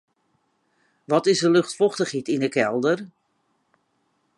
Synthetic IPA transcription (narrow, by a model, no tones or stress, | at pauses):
ʋɔtɪsdəlɵxtfɔxtəχitindəkɛlˠdər